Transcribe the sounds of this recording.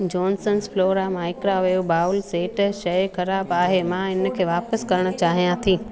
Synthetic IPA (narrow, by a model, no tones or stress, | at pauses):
d͡ʑɔːnsənsfloːɾamãɪkɾaʋɐjobaːʊlseːʈʃɐjxɐɾaːbaːɦemãɪn̆kʰeːʋaːpəskɐɾəɽ̃ʊ̆t͡ɕaːɦijãt̪ʰiː